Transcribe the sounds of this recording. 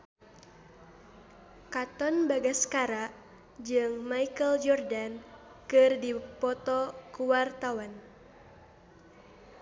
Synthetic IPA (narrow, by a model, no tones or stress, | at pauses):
kat̪ɔnbaɡasə̥kaɾaʔ | d͡ʒɨŋmaikəld͡ʒɔrdan | kɨrdipɔt̪ɔkuwart̪awan